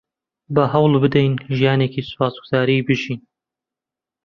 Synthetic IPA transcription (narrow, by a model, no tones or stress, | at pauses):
bɐɦɐwlbɨd̪ɛjnʒijaːneːciːsʊ̥paːsɡʊz̥aːɾibɨʒiːn